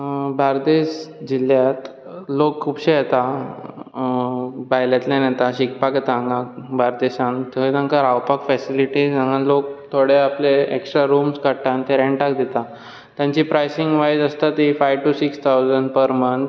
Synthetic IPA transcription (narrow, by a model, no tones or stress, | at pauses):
baɾd̪eɕd͡ʑiljat̪ | lokːʰupɕejet̪a | bajlat̪lenat̪aɕikpaket̪ãŋɡakbaɾd̪eɕãnt̪eɦjt̪ãŋkaɾawpakfɛsiliʈizãŋə̃nlok̚t̪ʰoɽeapleeksʈɾaɾumskəɽʈant̪eɾẽɳʈakd̪et̪a | t̪jãɲt͡ɕipɾajsiŋɡʋajd͡zəst̪at̪ifajʋʈusikst̪ʰawzəɳɖpəɾmən